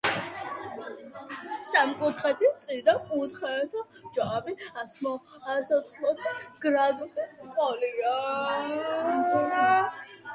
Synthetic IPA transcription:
samkʼut̪χɛt̪it̪sʼiɾd̪akʼut̪χɛt̪ʰɔ | d͡ʒaːbiat̪ʰmɔ | asɔt̪χmɔt̪sʰiɡ̥ɾad̪usɛspʼɔlia

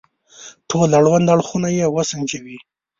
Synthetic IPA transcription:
ʈʰolaɽwand̪aɽxunajewəsənt͡ʃawi

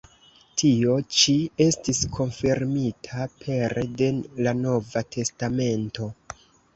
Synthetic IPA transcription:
tʰio̞t͡ʃie̞stiskʰo̞nfiɾmitʰapʰe̞ɾde̞lano̞vatʰe̞stame̞nto̞

